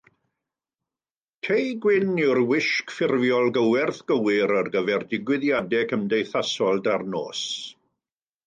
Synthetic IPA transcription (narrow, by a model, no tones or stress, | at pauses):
tʰejɡwɪnɪwrwɪʃkfɪrvjɔlˠɡəwɛrθɡ̥əwɪɾərɡəvɛrdɪɡwɪðjadɛkʰəmdejθasɔlˠdarno̰ːs